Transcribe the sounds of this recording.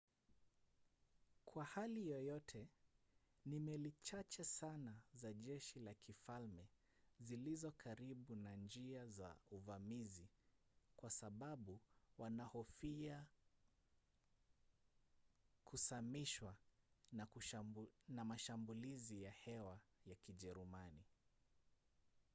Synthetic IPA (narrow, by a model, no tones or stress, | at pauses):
kʰwahalijɔjɔtʰɛ | nimɛlit͡ʃat͡ʃɛsanazaʄɛʃilakʰifalmɛ | zilizɔkʰaɾiɓunand͡ʒiaza̰uvamizi | kwasaɓaɓuwanahɔfia | kʰusamiʃwana | namaʃambulizijahɛwajakiʄɛɾumani